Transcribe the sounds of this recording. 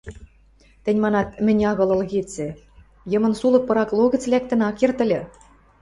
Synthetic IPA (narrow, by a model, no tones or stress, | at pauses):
t̪ɘ̆nʲmɑnɑt̪̚mɘ̆nʲɑɣɤ̆lˠɤ̆lɣet͡sɘ̆ | jɤ̆mɤ̆nsulˠɤ̆k̚pɤ̆ɾɑklˠoɣɘ̆t͡slʲæk̚t̪ɘ̆nɑkert̪ɘ̆lʲɘ̆